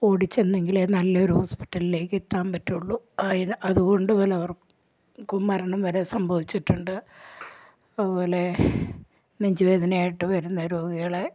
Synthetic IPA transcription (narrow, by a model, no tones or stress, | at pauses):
oːɽit͡ɕːe̞nːe̞ŋɡilenɐlːɐoɾuhoːspi̥ʈːɐlile̞ːkːit̪ːaːmpɐtːuɭːuɐðinʔɐðuɣo̞ɳɖupo̞ːleɐʋɐr | kːumːɐɾɐɳɐmʋɐɾesɐmbʱɐʋit͡ɕːiʈːuɳɖɨ | ɐðupo̞ːle̞ | nɐɲd͡ʑiʋeːd̪ʱɐnaːjiʈːɨʋɐɾunːɐɾoːɡɐɣɐɭe